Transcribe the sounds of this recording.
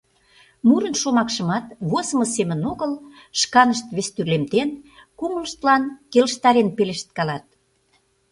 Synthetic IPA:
muɾə̆nʃomɑkʃə̆mɑt̪βozmɤsemə̆noɣəl | ʃkɑnəʃt̪βest̪yrlemt̪enkuməlʃt̪lɑnkeləʃt̪ɑɾenpeleʃt̪̚kɑlɑt̪̚

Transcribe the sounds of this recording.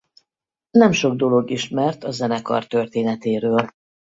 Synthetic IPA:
nɛmʃo̞ɡ̚d̪o̞lo̞ɡiʃmɛrt̪ɒzɛnɛkɒ̰rt̪ø̞rt̪eːnɛt̪eːɾøːl

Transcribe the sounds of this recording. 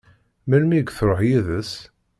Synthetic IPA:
mælmiɡθɾˤoħjiðəs

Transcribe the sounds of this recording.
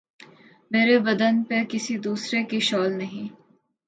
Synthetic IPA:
meːɾeʋɐd̪ənpekɪsid̪uːsɾekiʃɔːlnɐɦĩː

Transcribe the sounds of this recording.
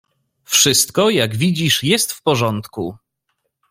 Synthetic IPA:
fʂɘst̪kɔjaɡvʲid͡ʑiʂjɛst̪fpɔʐɔnt̪ku

